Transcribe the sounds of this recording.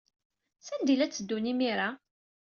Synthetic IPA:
sænd̪ilæt͡sːəd̪ːunimiɾa

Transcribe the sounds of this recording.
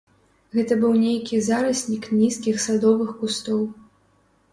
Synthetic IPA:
ɣɛt̪ɐbɨwnʲejkʲizaɾɐsʲnʲiknʲiskʲixsad̪ɔvɨxkust̪ɔw

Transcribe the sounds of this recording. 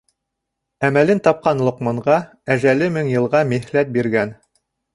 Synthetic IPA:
æmælɘnt̪ɑp̚qɑnlˠŏqmɑɴʁɑ | æʒælɘmɘŋjɤ̆lˠʁɑmihlæt̪̚biɾɡæn

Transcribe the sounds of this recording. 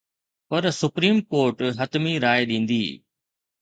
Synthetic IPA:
pɐɾsʊpɾiːmkoːɾʈɦɐt̪miɾaːeɗĩːnd̪iː

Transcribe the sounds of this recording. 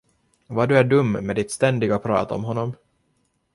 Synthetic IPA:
vaɖɵæɖɵmːmed̪ɪt̪st̪ɛnd̪ɪɡapʰɾɑ̰ːt̪ɔ̰mɦɔnːɔm

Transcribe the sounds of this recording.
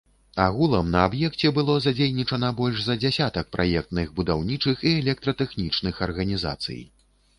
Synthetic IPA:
aɣulˠɐmnɐabjɛkt͡sʲɛbɨlˠɔzad͡zʲejʲnʲit͡ʂɐnɐbɔlʲʐzɐd͡zʲasʲat̪ɐk̚pɾʔa̰jɛk̚t̪nɨɣbud̪awnʲit͡ʂɨxiɛlʲɛk̚t̪ɾɐt̪ɛxnʲit͡ʂnɨxɐrɣɐnʲiza̰t̪sɨ̰j

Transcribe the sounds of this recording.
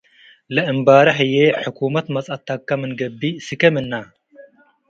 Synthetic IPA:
lɐʔɨmbaːɾɐħɨjeħukʰumɐt̪mɐt͡sʼat̪ʰːakːɐmɨnɡɐbːisɨkɐmɨnːa

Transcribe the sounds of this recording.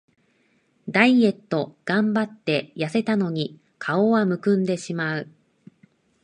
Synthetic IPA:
d̪aie̞t̪ːo̞ɡ̥ãmbat̪ːe̞jase̞t̪ano̞ɲ̟i | kʰao̞βamɯ̟kɯ̟̃nd̪e̞ɕimaɯ̟

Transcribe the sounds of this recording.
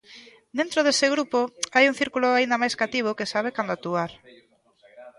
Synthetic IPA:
d̪ẽnt̪ɾoðesɪɣɾupoajuŋθiɾkuloaind̪amajskat̪iβ̞okesaβ̞ekand̪oat̪ːuaɾ

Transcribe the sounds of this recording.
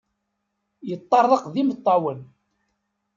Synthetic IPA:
jət̪ˤːɑrˤːɑqðimət̪ˤːɑwən

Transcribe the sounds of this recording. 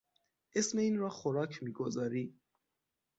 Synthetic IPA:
ʔesme̞iːnɾɒːxoɾɒːkʰmiːɡozɒːɾi

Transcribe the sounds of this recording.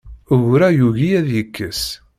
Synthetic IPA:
əɣɾæjuʝijæðjəkːəs

